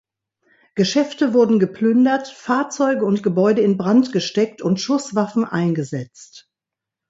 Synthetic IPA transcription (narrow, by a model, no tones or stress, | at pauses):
ɡ̥əʃɛftəvʊɐdn̩ɡəpʰlʏndɐtfaːɐt͡sɔʏɡəʊntɡ̥əbɔʏdəɪnbʁantɡ̥əʃtɛktʰʊntʃʊsv̥afn̩ʔaɪnɡəzɛt͡st